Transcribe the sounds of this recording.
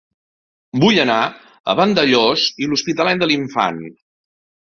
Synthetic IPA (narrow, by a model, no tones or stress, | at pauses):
buʎəna | ə̰βənd̪əʎoziluspit̪əlɛnd̪əliɱfa̰n